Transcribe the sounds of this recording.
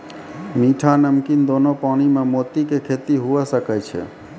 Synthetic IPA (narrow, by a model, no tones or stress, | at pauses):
miʈʰanəmkind̪oːnopaːɽ̃imẽmoːt̪ikekʰet̪iɦuesəkɛt͡ʃʰɛ̰